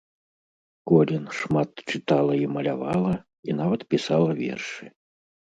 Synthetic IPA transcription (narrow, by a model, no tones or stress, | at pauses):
kɔlʲɛnʂmat̪t͡ʂɨt̪alˠɐimɐlʲa̰valˠɐ | inavɐt̪pʲisalˠɐvʲɛ̰rʂɨ